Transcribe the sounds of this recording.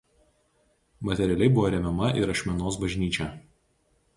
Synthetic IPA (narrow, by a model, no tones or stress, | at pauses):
mɐt̪ʲɛɾʲɛlʲɛɪbʊʋoːɾʲɛmʲɛmɐʔɪɾɐʃʲmʲɛnoːsbɐʒʲnʲiːt͡ʃʲɛ